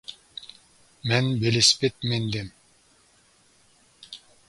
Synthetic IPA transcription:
menbelespet̪̚mend̪em

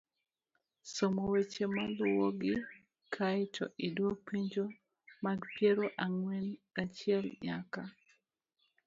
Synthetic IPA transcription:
somowet͡ʃemalʊwoɡɪ | kʰaɪtʰɔ̰ʔidwopiɲd͡ʒo | maɡpjeɾoʔaŋwɛnat͡ʃɪɛlɲaka

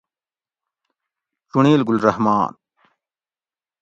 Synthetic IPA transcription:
t͡ɕuɳiːlɡulɾɐhmaːn

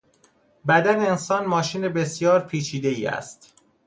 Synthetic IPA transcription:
bæd̪æneensɒːnmɒːʃiːne̞be̞sjɒːɾpʰiːt͡ʃʰiːd̪e̞iːæ̰st̪

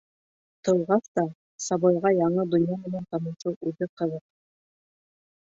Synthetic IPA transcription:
t̪ɤ̆wʁɑst̪ɑ | sɑβɑjʁɑjɑɴɤd̪ŏnjamɘ̆nænt̪ɑmɤ̆ʃɤwʉðɘqɤ̆ðɤq̚

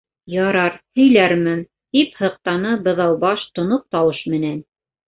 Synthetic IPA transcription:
jɑɾɑɾhɵ̆jlæɾmɘn | t̪iphɤ̆q̚t̪ɑnɤbɤ̆ðɑwˠbɑʃt̪ŏnop̚t̪ɑwɤʃmɘ̆næn

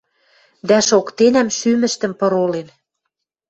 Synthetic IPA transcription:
d̪æʃokt̪enæmʃymə̆ʃt̪ə̆mpɤ̆ɾolen

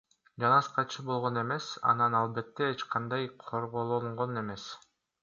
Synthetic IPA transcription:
d͡ʒɑnɑsqɑt͡ʃʰɯbo̞lˠʁo̞ne̞me̞sɑ̰nɑnɑlˠbe̞t̪ːeet͡ʃqʰɑnd̪ɑjqʰo̞ɾʁolˠoɴʁone̞me̞s

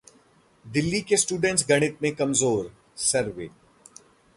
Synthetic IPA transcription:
d̪ɪlːikesʈuːɖə̃ɳʈsɡɐɽ̃ɪt̪̚mẽkɐmzoːɾ | sɐɾʋḛː

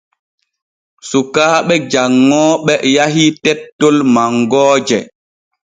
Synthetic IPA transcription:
sukaːɓɛd͡ʒaŋːɔːɓɛjaɦitɛtːolmaŋɡɔːd͡ʒɛ

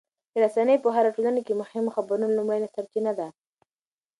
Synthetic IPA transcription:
d̪əɾasanəjpəɦaɾaʈolanakemʊhɪmoxabaɾunolumajnasaɾk̪inad̪a

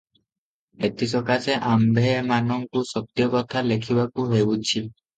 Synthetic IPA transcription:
et̪isɔkasɛʔambʱɛmanɔŋkusɔk̚t̪ijɔkɔt̪ʰalekʰibakuɦejbudt͡ʃʰil

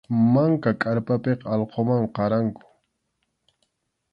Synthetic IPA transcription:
maŋkakʼaɾpapeqɑlqʰomaɴqɑɾaŋkʊ̥

